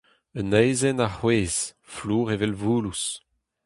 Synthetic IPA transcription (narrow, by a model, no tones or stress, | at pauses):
ənɛjzɛnaχweːz̥ | fluːʁevɛlvuːlus